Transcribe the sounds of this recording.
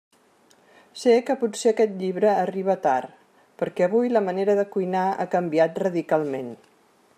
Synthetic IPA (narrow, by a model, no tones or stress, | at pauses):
sekəput̪seəkɛt̪ʎiβ̞ɾəːriβ̞ət̪aɾ | pəɾkɛəβujləməneɾəðəkujnaa̰kəmbiat̪rəðikalˠmen